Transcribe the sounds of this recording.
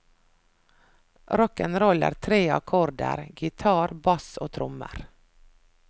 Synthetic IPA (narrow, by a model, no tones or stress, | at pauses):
ɾɔkənɾɔlə̰ɾt̪ʰɾeːɑ̰kʰɔɾd̪ə̰ɾɡɪt̪ʰɑːɾbɑso̰ːt̪ʰɾʊmə̰ɾ